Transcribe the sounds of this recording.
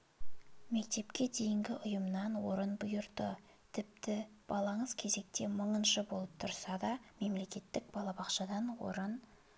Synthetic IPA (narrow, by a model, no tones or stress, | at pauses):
me̞k̚t̪e̞pkʲe̞d̪e̞jɪŋɡʲɪʔʊjəmnɑnwo̞ɾənbʊjʊɾd̪ə | t̪ʰɪp̚t̪ɪb̥ɑlˠɑɴəz̥kʲʰe̞ze̞k̚t̪e̞məɴənʃəbo̞lˠəp̚t̪ʰʊɾsɑd̪ɑme̞mle̞kʲe̞t̪ːɪk̚bɑlˠɑbɑqʃɑd̪ɑnwo̞̰ɾən